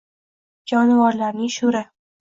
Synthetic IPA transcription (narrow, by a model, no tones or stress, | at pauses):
d͡ʒɒnvɒɾlaɾnɪŋʃʊɾɪ